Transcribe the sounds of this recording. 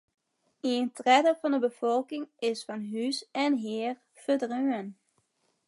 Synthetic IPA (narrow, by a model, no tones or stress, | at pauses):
intrɛdəɹvɑndəbəv̥ɔlˠkɪŋɪsfɑnɦysɛnɦɪːɹ | fədrøŋən